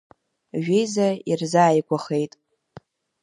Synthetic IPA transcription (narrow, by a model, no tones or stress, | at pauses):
ʒᶣejzairzaːjkʷʼaχe̞jtʼ